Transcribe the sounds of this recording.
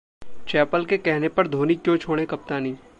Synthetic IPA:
t͡ʃɛːpəlkekɛɦnepɐɾd̪ʱoːnikjõt͡ʃʰoːɽ̃ekɐp̚t̪aːnĩː

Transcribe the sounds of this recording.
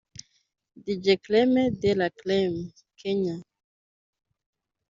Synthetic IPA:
did͡ʒeklɛmed̪elaklɛm | kʰɛɲa

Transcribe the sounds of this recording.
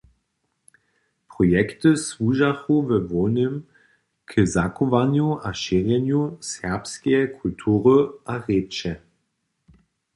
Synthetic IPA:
pʁɔjɛktəsvuʒaxuvɛvɔnəm | kʰəzakɔvanjuʔaʃɛʁjɛnjusɛʁpskɛjɛkʰultʰuːʁəʔaʁeːt͡ʃɛ

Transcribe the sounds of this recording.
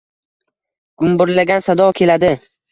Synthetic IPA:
ɡ̥ʊmbʊɾlaɡʲansad̪ɒkʲʰe̞lad̪ɪ

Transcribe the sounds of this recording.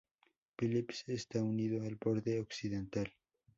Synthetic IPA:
filipsest̪auniðoalpoɾt̪eoksiðent̪al

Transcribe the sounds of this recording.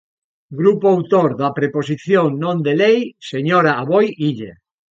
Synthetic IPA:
ɡɾupoawt̪oɾðɐpɾepos̬iθjoŋnõnd̪elejseɲoɾaaβojiʎḛ

